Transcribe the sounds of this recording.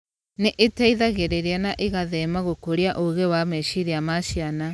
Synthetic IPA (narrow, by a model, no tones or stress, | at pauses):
neʔetaiðaɣeɾeɾianaʔeɣaðɛmaɣokoɾiaʔoɣewamɛʃiɾiamaʃiana